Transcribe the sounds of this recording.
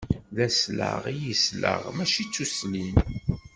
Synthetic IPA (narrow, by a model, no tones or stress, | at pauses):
ðæslə̰ʁijislə̰ʁmæʃit͡sːuslin